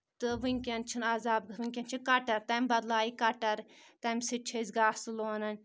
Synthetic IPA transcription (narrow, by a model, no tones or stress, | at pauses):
t̪ɨʋɨŋʲkʲɐnt͡ʃʰinazaːb̚ɡɨʋɨŋʲkʲɐnt͡ʃʰinkɐʈɐɾt̪ɐmbɐd̪laːikɐʈɐɾt̪ɐmʲsɨt͡ʃʰezʲɡaːsɨloːnɐnʲ